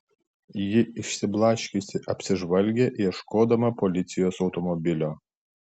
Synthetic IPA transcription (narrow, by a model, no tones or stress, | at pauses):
jɪɪʃʲsʲɪblˠɑʃʲkʲʊsʲɪʔɐpʲsʲɪʒʋɐlʲɡʲeʔjɛʃkoːd̪ɐmɐpɔlʲɪt̪sʲɪjoːsɒʊt̪ɔmɔbʲɪlʲoː